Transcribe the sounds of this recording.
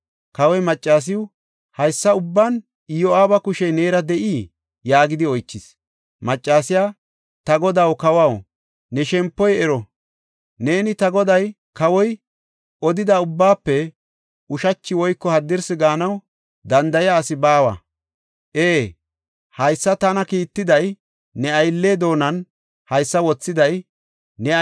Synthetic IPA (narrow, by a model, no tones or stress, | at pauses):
kɐwɔjmɐt͡ʃʼːaːs̬ɪw | hɐjsːɐʊbːan | ɪjɔaːbɐkʊʃɛjne̞ːɾɐd̪ɛʔiː | jaːɡɪd̪ɪɔjt͡ʃːɪs | mɐt͡ʃʼːaːsɪja | t̪ɐɡɔd̪awkɐwaw | nɛʃɛmpːɔjɛɾɔ | ne̞ːnɪt̪ɐɡɔd̪ɐj | kɐwɔj | ʔɔd̪ɪd̪ɐʊbːaːpːɛ | ʊʃɐt͡ʃːɪwɔjkːɔhɐd̪ːɪɾsɪɡaːnɐw | d̪ɐnd̪ɐjaːsɪbaːwɐ̰ | ʔeː | hɐjsːɐt̪ɐnɐkiːt̪ːɪd̪ɐj | nɛɐjlːeːd̪o̞ːnɐn | hɐjsːɐwɔt͡sːɪd̪ɐj | nɛ